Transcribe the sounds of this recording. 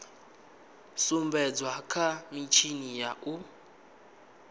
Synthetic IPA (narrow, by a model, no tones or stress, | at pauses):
sumbɛd͡zwakʰamit͡ʃʰinijaʔu